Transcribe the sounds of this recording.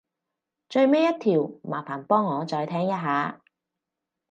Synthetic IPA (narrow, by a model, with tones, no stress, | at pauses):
t͡ʃɵ˧ɥmeː˥jɐ˥t̪̚ʰiː˨˩wmaː˨˩faː˨˩npɔː˥ŋːɔː˨˧t͡sɔː˧jt̪ʰɛː˥ŋjɐ˥t̚ɦaː˨˥